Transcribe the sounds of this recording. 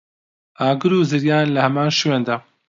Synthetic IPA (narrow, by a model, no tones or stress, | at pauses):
ʔaːɡɨɾuːzɨɾjaːnlɐhɐmaːnʃweːnd̪aː